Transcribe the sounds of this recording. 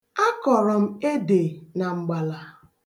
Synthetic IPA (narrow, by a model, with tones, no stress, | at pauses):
a˦kɔ˨ɾɔ˨m̩˦e˦de˨na˨ŋ͡m̩˨ɡ͡ba˨la˨